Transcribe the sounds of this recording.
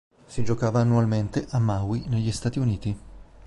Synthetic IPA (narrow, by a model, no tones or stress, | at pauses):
sid͡ʒokaːvaːnːualment̪eʔamːawineʎːist̪aːt̪iuniːt̪i